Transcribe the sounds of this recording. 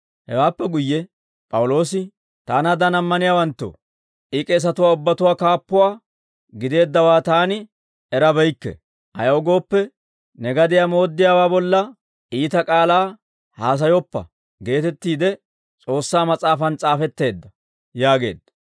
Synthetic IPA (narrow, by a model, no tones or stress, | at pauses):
hɛwaːpːɛɡʊjːɛ | pʼɐwʊlo̞ːsɪ | t̪aːnɐd̪ɐnɐmːɐnɪjaːwɐnt̪ːo̰ | ʔɪkʼɛs̬ɐt̪ʊwaːʊbːɐt̪ʊwaːkaːpːʊwaː | ɡɪd̪e̞ːd̪ːɐwaːt̪aːnɪ | ɛɾɐbɛjkːɛ̰ | ʔɐ̰jɐɔɡo̞ːpːɛ | nɛɡɐd̪ɪjamo̞ːd̪ːɪjaːwaːbɔlːɐ | ʔiːt̪ɐkʼaːlaː | haːs̬ɐjɔpːɐ̰ | ɡe̞ːt̪ɛt̪ːiːd̪ɛ | t͡sʼo̞ːsːaːmɐt͡sʼaːfɐnt͡sʼaːfɛt̪ːe̞ːd̪ːɐ | jaːɡe̞̰ːd̪ːɐ̥